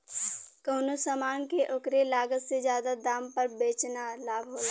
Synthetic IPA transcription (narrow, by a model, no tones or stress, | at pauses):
kəːnosəmaːnkeʔokɾelaːɡət̪sezjaːd̪ad̪aːmpəɾbeːt͡ʃnalaːbʱɦoːa